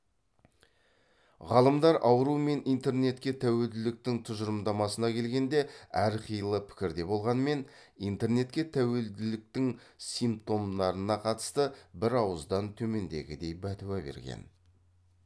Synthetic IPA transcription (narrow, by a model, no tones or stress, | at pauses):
ʁɑlˠəmd̪ɑɾʔɑwəɾume̞nijnt̪e̞rne̞t̪kʲe̞t̪ʰæwe̞ld̪ɪlɪk̚t̪ɪŋt̪ʰʊʒəɾəmd̪ɑmɑsənɑkʲʰe̞lɡʲe̞nd̪e̞æɾqʰijəlˠəpʰɪ̥kʲɪɾd̪e̞bo̞lˠʁɑnme̞nijnt̪e̞ɾne̞t̪kʲe̞t̪ʰæwe̞ld̪ɪlɪk̚t̪ɪŋsijmp̚t̪o̞md̪ɑɾənɑqʰɑt̪ə̥st̪əbɪɾɑwəzd̪ɑnt̪ʰɵme̞nd̪e̞̰ɡʲɪd̪e̞jbæt̪uwæbe̞̰ɾɡʲḛn